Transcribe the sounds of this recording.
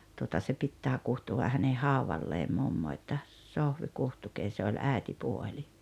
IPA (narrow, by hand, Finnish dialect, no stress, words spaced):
tuotɑ se pitːæː kuhtuʋɑ hæne hɑuʋɑlːeːm mumːo etːæ sohʋi kuhtukeː se olʲ æˑetipuolʲi